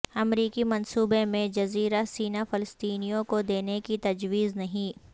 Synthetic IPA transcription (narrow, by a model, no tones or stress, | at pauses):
ɐmɾiːkimɐnsuːbemẽd͡ʒɐziːɾasiːnafɪləst̪iːnijõkod̪eːnekit̪ɐd͡ʒwiːznɐɦĩ